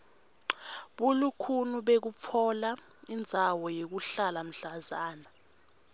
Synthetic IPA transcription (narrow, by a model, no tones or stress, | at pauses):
ɓulukʰunuɓek̬up̪fʰɔlaind͡zʱawɔjek̬uɬalam̩ɬazaːna